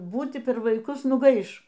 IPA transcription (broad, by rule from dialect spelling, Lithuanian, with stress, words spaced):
ˈbuːtʲɪ pʲɛr ʋɐɪˈkʊs nʊˈɡɐɪʃ